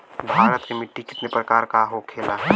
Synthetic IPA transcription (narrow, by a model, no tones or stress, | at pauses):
bʱaːɾət̪kemɪʈːikɪ̥t̪nepɾɐkaːɾkaɦokʰeːlaː